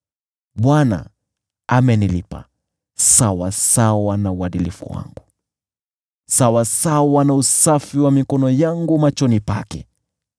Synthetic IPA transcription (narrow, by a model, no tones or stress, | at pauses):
ɓwana̰ | amɛnilipa̰ | sawasawanauaɗilifṵwa̰ŋɡu | sawasawanausafiwamikɔnɔjaŋɡumat͡ʃɔnipa̰kɛ